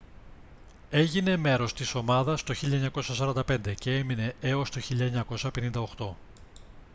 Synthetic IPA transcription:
e̞ʝine̞me̞ɾo̞st̪iso̞mɐðɐst̪o̞çiʎɐeɲɐko̞sɐsɐɾɐnd̪ɐpe̞nd̪e̞ce̞e̞mine̞eost̪o̞çiʎɐeɲɐko̞sɐpe̞nind̪ɐo̞xt̪o̞

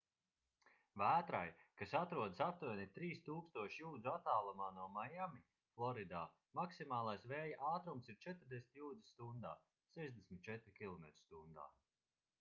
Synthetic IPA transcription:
væːt̪ɾa̰jkasat̪ɾuɔd̪sat̪ːuɔnʲit̪ɾiːst̪uːkst̪uɔʃjuːd̪zuat̪aːlˠumaːnuɔmajami | flˠɔɾid̪aː | maksimaːlˠajsvɛːjaʔaːt̪ɾumsiɾt͡ʃɛt̪ɾd̪ʲesmʲit̪ʲjuːd̪i̥st̪und̪aː | sɛʒd̪esmit̪̚ʲt͡ʃɛt̪ɾkʲilˠɔmet̪ɾi̥st̪und̪a̰ː

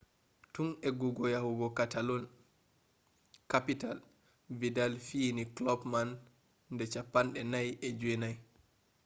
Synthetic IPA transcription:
tunɛɡuɡɔjahuɡɔkatalɔn | kapital | vidalfiniklɔpmanː | dɛt͡ʃapːanɗɛnajɛd͡ʒuɛnaj

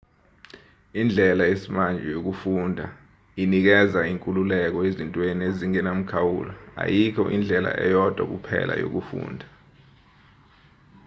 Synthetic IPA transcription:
ind͡ɮʱɛlaesimand͡ʒʱɛjok̬ufuːndʱa | inik̬ɛzaiŋkʼululɛk̬ɔezintʼwenieziŋɛnam̩kʰawulɔa̰jikʰɔ̰ʔind͡ɮʱɛla̰ʔɛ̰jɔd̥ʱwa̰k̬upʰɛ̰lʔa̰jo̰k̬ufṵːndʱa

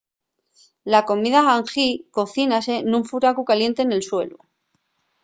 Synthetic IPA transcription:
lako̞miðaɣaŋxiko̞θinase̞nuɱfuɾakukalje̞nt̪e̞ːne̞lswe̞̰lu

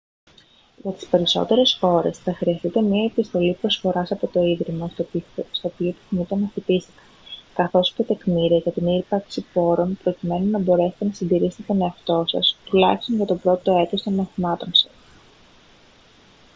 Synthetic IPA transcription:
ʝɐt̪i̥spe̞ɾiso̞̰t̪e̞ɾe̞sxo̞ɾe̞sθɐxɾiɐst̪it̪e̞mɲiɐepist̪o̞lipɾo̞sfo̞ɾɐsɐpo̞t̪o̞iðɾimost̪opiop̪i̥θinit̪onɐfit̪ist̪i̥kɐ̥nkɐθo̞scet̪e̞kmiɾiɐʝɐt̪iniɾpɐɾksipo̞ɾo̞npɾocime̞nunɐbo̞ɾe̞se̥t̪e̞nɐsind̪iɾist̪et̪o̞ne̞ɐft̪o̞sɐ̰st̪ulɐçist̪o̞nʝɐt̪o̞pɾo̞t̪o̞e̞t̪o̞st̪o̞nmɐθimɐt̪o̞nsɐ̥s

